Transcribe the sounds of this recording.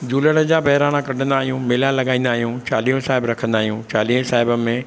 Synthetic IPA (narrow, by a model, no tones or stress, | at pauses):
d͡ʑuːləɽ̃əd͡ʑaːbɐɦɪɾaːɽ̃akɐɖʱə̃nd̪aːɦijũmɪlalɐɠaːĩːn̆d̪aːɦijũt͡ɕaːliːõsaːɦɪbɾɐkʰə̃nd̪aːɦijũt͡ɕaːliːə̃saːɦɪbəmẽ